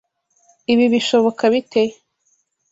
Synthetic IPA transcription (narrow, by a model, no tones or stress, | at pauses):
iβiβiʃo̞βo̞kaβite